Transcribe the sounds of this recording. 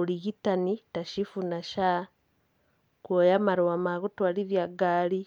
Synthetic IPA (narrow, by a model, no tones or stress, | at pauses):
uliɣitanitaʃifunaʃa | kwojamaɾowamaɣutwaliβjaɡaːli